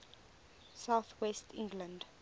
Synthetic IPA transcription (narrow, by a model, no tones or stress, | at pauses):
saʊθwɛstʰɪ̰̃ŋɡlə̃nd